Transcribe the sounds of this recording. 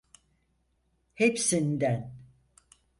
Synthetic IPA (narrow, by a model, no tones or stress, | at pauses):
hepsind̪æn